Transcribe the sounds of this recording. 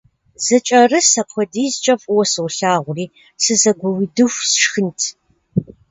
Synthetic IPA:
z̥ɐt͡ʃʼɐrɨsɐpʷʰɔdiːzt͡ʃʼɐfʼwɔsɨwɬaːʁʷʊriː | sɨzɐɡʷɔwidɨxʷsʂxɨntʰ

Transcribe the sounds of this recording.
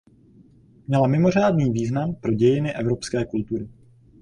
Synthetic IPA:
mɲɛlamɪmo̞r̝aːdniːviːznampɾo̞ɟɛjɪnɪʔɛvɾo̞pskɛːkult̪uɾɪ

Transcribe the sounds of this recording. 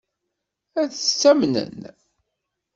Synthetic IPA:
æθət͡sːæmnə̰n

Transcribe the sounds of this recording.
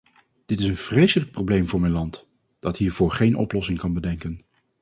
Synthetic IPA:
d̥ɪtɪsənv̥rejsələk̚prowblejmvʊːɹmɛjnlɑnt | d̥ɑtɦiːɹv̥ʊːɹχejnʔɔ̰plɔsɪŋkɑnbədɛŋkən

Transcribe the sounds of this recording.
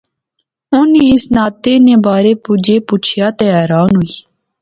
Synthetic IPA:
ʊneːɪsnaːt̪eːnẽːbaːɾeːpʊd͡ʒeːpʊt͡ʃʰjaːt̪eːɛːɾaːnɦʊiː

